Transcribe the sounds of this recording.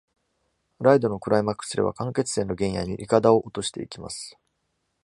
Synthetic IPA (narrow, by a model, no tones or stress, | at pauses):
ɾaid̪o̞no̞kɯ̟ɾaimakːɯ̥sɨɾe̞βa̰kãŋke̞t͡sɨ̥sẽ̞nːo̞ɡẽ̞ɰ̃ja̰ɲ̟ḭʔikad̪ao̞ʔot̪o̞ɕi̥t̪eikʲima̰sɨ̥